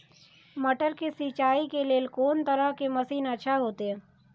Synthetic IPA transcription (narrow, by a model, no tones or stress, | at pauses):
mɐʈəɾkesiːt͡ʃaːikeleːlkoːnt̪əɾəɦkemɐsiːnɐtːʃʰaɦoːt̪eɦɛ̃ː